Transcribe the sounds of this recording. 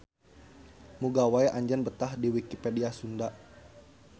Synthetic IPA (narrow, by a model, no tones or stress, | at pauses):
muɡawajʔaɲd͡ʒanbət̪ahdiwikipediasunda